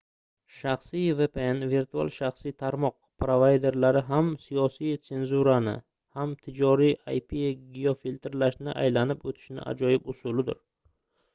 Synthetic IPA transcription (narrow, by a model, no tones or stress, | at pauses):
ʃaχsijve̞peenviɾt̪ʰua̰lˠʃaχsijt̪ʰaɾmɒq̚pɾovajd̪e̞ɾlaɾɪɦamsijɒsijt̪se̞nzuɾanɪ̰ | hamt̪ʰɪd͡ʒɒɾija̰jpʰiɡiofilʲt̪ʰɾlaʃnɪʔa̰jlanɪpot̪ʰɪ̥ʃnɪ̰ʔa̰d͡ʒɒjɪpʊsʊlɪd̪ɪ̰ɾ